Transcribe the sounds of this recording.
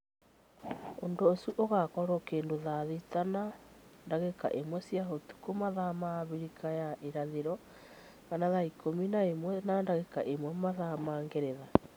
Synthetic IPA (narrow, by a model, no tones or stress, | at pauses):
ondoːsuʔoɣakɔɾɔkeːndoðaðitanandaɣeka̰ʔemwɛsjaɦotu̥komaðamaβiɾikʰajaʔeɾaðeɾɔ | kanaðaikʰominaemwɛnandaɣeka̰ʔemwɛmaðamaːŋɡeɾeða